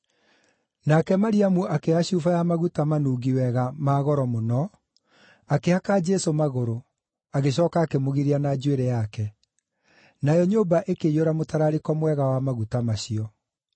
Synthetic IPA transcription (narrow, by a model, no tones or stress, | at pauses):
nakɛmaɾiamuʔakeaɕuːfajamaɣutamanuːɣiwɛɣamaɣɔɾɔmonɔ | akeakad͡ʒɛsomaɣoɾo | aɣeɕɔːkaːkemoɣiɾianad͡ʒweɾɛjakɛ | najɔɲoːbaʔekejoɾamotaɾaɾekɔmwɛɣawamaɣutamaɕiɔ